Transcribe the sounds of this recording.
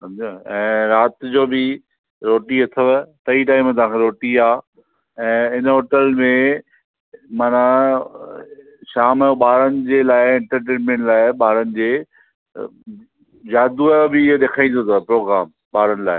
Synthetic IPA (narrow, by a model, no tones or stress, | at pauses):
sɐ̃md͡ʑaɛ̃ːɾaːt̪d͡ʑoːbɪ | ɾoːʈiɐt̪ʰəʋt̪ɐiʈaːɪmt̪̬ɐʋãːŋkʰeɾoːʈiaː | ɛ̃ːɪnəɦoːʈəlmẽ | maːna | ʃaːmoɓaːɾənɪ̆d͡ʑeːlaːɪɪ̃ɳʈəɾʈẽːnmẽɳʈlaːɪɓaːɾənɪ̆d͡ʑeː | d͡ʑaːd̪uabɪɪɦoɗ̪eːkʰaːĩnd̪oːt̪ʰopɾoːɡɾaːm | ɓaːɾənɪ̆laːɪ